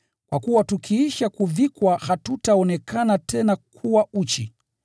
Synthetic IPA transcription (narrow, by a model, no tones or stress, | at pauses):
kwakuwatukʰiiʃakuvikwahatutaɔnɛkʰanatʰɛnakʰuwaut͡ʃi